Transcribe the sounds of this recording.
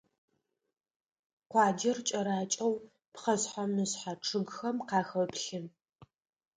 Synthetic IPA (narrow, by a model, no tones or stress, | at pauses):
qʷɑːd͡ʒɪrt͡ʃʼɐɾaːt͡ʃʼɐw | pχɐsħʷamɨsħaʈ͡ʂʰɨɡxɐmqɑːxɐwpɬɪn